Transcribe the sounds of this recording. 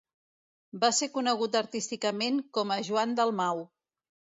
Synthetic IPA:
basekunəɣ̞ut̪əɾt̪ist̪ikəmeŋkɔməʒuand̪əlˠmaw

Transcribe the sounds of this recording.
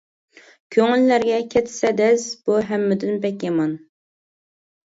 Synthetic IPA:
kʲʰøŋylːæɾɡʲɛkʲʰɛt̪ʰsɛd̪ɛsb̥uɦɛmːɪd̪ɪnpɛkʲjɑmɑn

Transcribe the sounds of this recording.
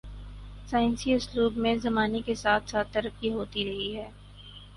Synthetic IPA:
saːɪ̃nsiʊsluːbmẽzɐmaːnekesaːt̪ʰsaːt̪ːɐɾəkːiɦoːt̪iɾɐɦiɦɛː

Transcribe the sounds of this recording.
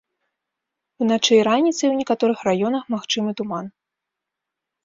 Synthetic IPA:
unat͡ʂɛjɾanʲit̪sɐjwnʲɛkat̪ɔɾɨxrajɔnɐxmaxt͡ʂɨmɨt̪uman

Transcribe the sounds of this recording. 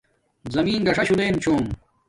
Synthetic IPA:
zɐmiːnɡɐʂɐɕud̪eːnt͡ɕʰoːm

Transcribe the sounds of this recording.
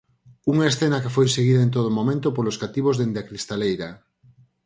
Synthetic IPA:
uŋaesθenɐkɪfojseɣiðaent̪̬oð̞omomẽnt̪opoloskat̪iβozðend̪eakɾist̪alejɾa

